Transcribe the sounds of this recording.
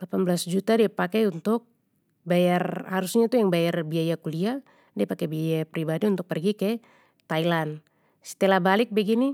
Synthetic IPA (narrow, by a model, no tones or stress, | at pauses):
lapanblasd͡ʒut̪adiapakɛunt̪uk̚ | bajarhaɾusɲat̪ujaŋbajarbiajakulia | diapakɛbiajapɾibadiunt̪uk̚pɛrɡikɛ | t̪ailan | si̥t̪ɛlabalik̚bɛɡini